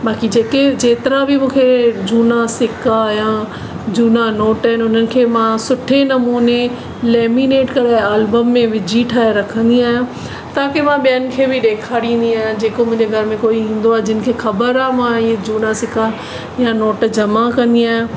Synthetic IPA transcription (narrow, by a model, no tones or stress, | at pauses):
baːkid͡ʑeːked͡ʑeːt̪ɪɾabʱɪmũːkʰed͡ʑuːnasɪkajã | d͡ʑuːnanoːʈaːɪnʊn̤ənɪ̆kʰeːmãsʊʈʰenɐmuːne | leːmineːʈkɐɽeaːlbəmːẽʋɪd͡ʑʱiʈʰaːeɾɐkʰə̃nd̪iaːɦẽ | t̪akemãɓijənɪ̆kʰeːbɪɗeːkʰaːɽĩːnd̪iaːɦd͡ʑeːkomʊ̃ɦɪ̃ɲd͡ʑeɡʱɐɾmẽkoːiĩːn̆d̪oaːɦed͡ʑɪnɪ̆kʰeːxɐbəɾaːɦmãied͡ʑuːnasɪka | jãnoːʈd͡ʑɐmakɐ̃nd̪iaːɦẽ